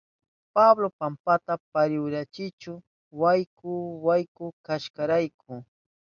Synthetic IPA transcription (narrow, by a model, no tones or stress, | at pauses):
pablopampat̪apaɾɪwɾat͡ʃɪt͡ʃʊ | wajkʊwajkʊkaʃkaɾajkʰʊ